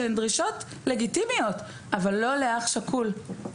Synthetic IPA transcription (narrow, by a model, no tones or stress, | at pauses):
endʁiʃo̞t | le̞ɡitimijo̞t | ʔavalːo̞leaχʃakʰul